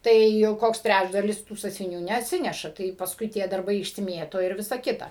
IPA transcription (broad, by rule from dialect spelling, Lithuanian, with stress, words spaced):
ˈtɐɪ jɛʊ ˈkoːks ˈtʲrʲæd͡ʒdɐlʲɪs tuː sɑːsʲʋʲɪˈnʲuː nʲɛɐtʲˈsʲɪnʲɛʃɐ tɐɪ pɐsˈkʊɪ tʲiɛ dɐrˈbɐɪ ɪʃʲsʲɪˈmʲiɛtoː ɪr ˈʋʲɪsɐ ˈkʲɪtɐ